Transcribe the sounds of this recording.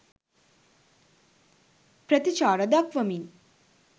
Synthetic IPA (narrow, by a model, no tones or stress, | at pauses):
pɾɐt̪it͡ʃaːɾɐd̪akʋɐmin